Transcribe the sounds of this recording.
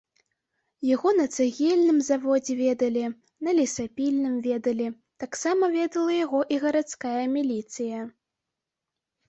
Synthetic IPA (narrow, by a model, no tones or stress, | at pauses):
jaɣɔnɐt̪sɨɣʲɛlʲnɨmzavɔd͡zʲɛvʲɛd̪ɐlʲi | nɐlʲisapʲilʲnɨmvʲɛd̪ɐlʲi | t̪aksamɐvʲɛd̪ɐlˠɐjaɣɔʔiɣɐɾat̪skajɐmʲilʲit̪sɨjɐ